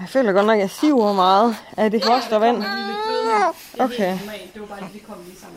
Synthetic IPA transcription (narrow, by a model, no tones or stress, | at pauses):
fø̰ːlɐɡ̥ɒ̽d̥nɒ̽ɡ̥jɑ̈ɪsiʊɐmɑ̈ːð̩ˠæd̥e̝fʁɒsd̥ɐʋæn̰ | ʔoʊkʰeɪ